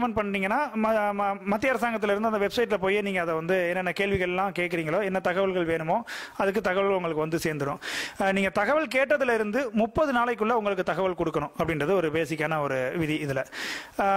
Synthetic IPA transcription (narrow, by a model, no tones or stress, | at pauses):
mɐnpɐɳːniːŋɡɐnːaː | mɐt̪ːɪɐɾɐsaːŋɡɐt̪ːɪlɪɾɯnd̪ɯɐnd̪ɐʋɛbsɐɪʈ̬ːlɐpoːjeniːŋɡɐːðɐʋɐnd̪ɯɛnːɛnːɐkeːɭʋɪɣɐɭɛlːãːkeːʈ̚kːɪɾiːŋɡɐɭoːɛnːɐt̪ɐɣɐʋɐɭɣɐɭʋeːnɯmoːɐðɯk̬ːɯt̪ɐɣɐʋɐɭɣɐʊŋɡɐɭɯkːɯʋɐnd̪ɯseːɾnd̪ɯɽʊ̃niːŋɡɐt̪ɐɣɐʋɐɭk̬eːʈːɐðɯlɪɾɯnd̪ɯmʊpːɐðɯnaːlɐɪk̬ːɯɭːɐʊŋɡɐɭɯkːɯt̪ɐɣɐʋɐɭkɔɽɯkːɐɳʊ̃ɐpːɐɽɪnrɐðɯɔɾɯpeːsɪk̬ʲːaːnɐɔɾɯʋɪðiɪðɪlɐ